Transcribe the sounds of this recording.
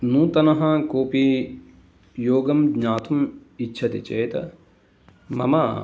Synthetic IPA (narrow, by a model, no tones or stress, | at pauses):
nuːt̪ɐnɐɦɐkoːpi | joːɡɐmɡɲaːt̪ʰumitːʃʰɐt̪it͡ʃeːt̪ɐ | mɐ̰mɐ